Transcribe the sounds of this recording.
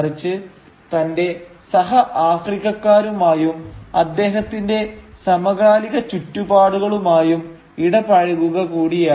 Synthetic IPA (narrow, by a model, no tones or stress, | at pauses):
rit͡ɕːɨ | t̪ɐnde̞sɐɦɐʔaːfriɣɐkːaːɾumaːjumɐd̪ːe̞ːɦɐt̪ːinde̞sɐmɐɣaːliɣɐt͡ɕutːubaːɽuɣɐɭumaːjum | iɽɐpɐɻɐɣuɣɐkuːɽijaː